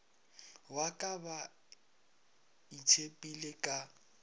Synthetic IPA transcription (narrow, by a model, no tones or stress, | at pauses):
wakʼaba | itʰepʼilekʼa